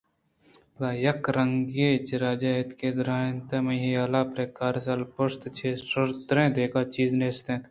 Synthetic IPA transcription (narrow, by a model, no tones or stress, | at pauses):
plaːjɐkɾɐŋɡeːt͡ʃiɾaːd͡ʒaːet̪keːd̪ɾaːnt̪emɐɦijaːlaːpɾekaːɾsɐlpost̪t͡ʃʰeːʃɐɾt̪ɾẽːd̪eːkaːt͡ʃiːzneːst̪ẽːn